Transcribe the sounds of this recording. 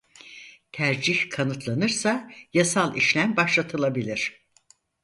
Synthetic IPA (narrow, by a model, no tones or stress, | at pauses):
t̪ʰæɾd͡ʒiçkʰanɯt̪ʰlˠanɯɾsajasalˠiʃlʲæmbaʃlˠat̪ʰɯlˠabilʲiɾ̝̥